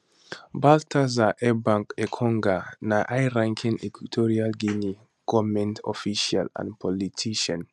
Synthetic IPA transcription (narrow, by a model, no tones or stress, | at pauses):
baltʰazaʔɛbãŋkɛkʰɔ̃ŋɡanaʔajɹãŋkʰĩnɛkitʰɔɹialɡini | ɡ̥ɔmɛ̃ntʰɔ̰fiʃialã̰npʰɔlitʰiʃãn